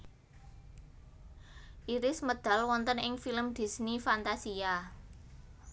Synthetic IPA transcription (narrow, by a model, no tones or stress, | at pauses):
ʔiɾɪsməd̪̥a̤lwɔnt̪ənɪŋfiləmd̪̥i̤snifant̪asia